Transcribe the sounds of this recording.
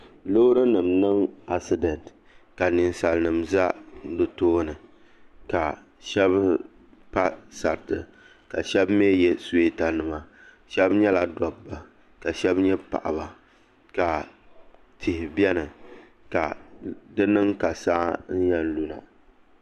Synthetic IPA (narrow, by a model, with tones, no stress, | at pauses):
lo˦ɾɨ˦nɨ˨mnɨ˦ŋa˦sɨ˨dɛ˨nt | ka˨nɪ˨nsa˨lnɨ˨mza˦dɨ˨toː˦nɨ˨ | ka˨ | ʃɛ˦b | pa˦sa˨ɾtɨ˨ | ka˨ʃɛ˦bme˦jɛ˦se˦ta˨nɨ˨ma˨ | ʃɛ˦bɲɛ˦la˨dɔ˨bːa˨ | ka˨ʃɛ˦bɲɛ˦pa̰˨ʔa̰˨ba˨ | ka˨ | tʰɪ˨hɪ˨bɛ˦nɨ˨ | ka˨dɨ˦nɨ˦ŋka˨saː˦n̩˦jɛ˦n˦lu˦na̰˨